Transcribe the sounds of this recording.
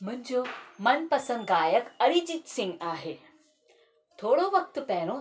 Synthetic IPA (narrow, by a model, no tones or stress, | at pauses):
m̤ənd͡ʑomɐnpɐsə̃ŋɡ̪̚ɡaːjəkəɽid͡ʑit̪sĩŋɡaːɦe | t̪ʰoːɽoʋɐk̚t̪pɛːɽ̃o